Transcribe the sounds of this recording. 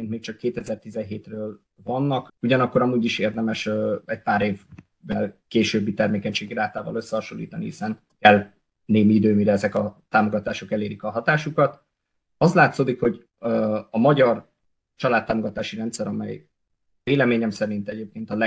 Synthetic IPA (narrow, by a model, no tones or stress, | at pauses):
ent̪meːkt͡ʃɒkːeːt̪ɛzɛrt̪izɛnɦeːt̪røːl | vɒnːɒkuɟɒnɒkːoɾɒmuːɟiʃeːrd̪ɛmɛʃøɛɟ̚paːɾeːvː | ɛlkeːʃøbːit̪ɛrmeːkɛɲʃeːɡiɾaːt̪aːvɒ̰lø̞sːɛhɒʃo̰lːḭːt̪ɒnihisɛn | kɛl | neːmiid̪øːmiɾɛɛzɛkɒt̪aːmoɡɒt̪aːʃo̞kɛleːɾikɒɦɒt̪aːʃukɒt̪ | ɒzlaːt̪soːd̪ikho̞ɟ | ɒmɒɟɒr | t͡ʃɒlaːt̪ːaːmo̞ɡɒt̪aːʃiɾɛnt̪sɛɾɒmɛ̰j | veːlɛmeːɲɛmsɛɾint̪ɛɟeːp̚keːnt̪ɒlɛ